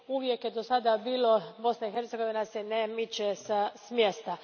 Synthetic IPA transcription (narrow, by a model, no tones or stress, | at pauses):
uʋjekjed̪osad̪abiːlobo̞snaixeɾt̪seɡo̞ʋinasenemit͡ɕesasmjest̪a